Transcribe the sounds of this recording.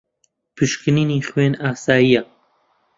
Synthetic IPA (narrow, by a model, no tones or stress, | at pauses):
pʰɨʃkɨniːniːχweːnaːsaːjija